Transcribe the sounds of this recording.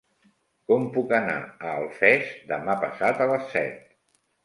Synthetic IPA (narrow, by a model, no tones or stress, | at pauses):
kɔmpukəna̰əːlˠfɛzd̪əmapəsat̪ələsːɛ̰t̪̚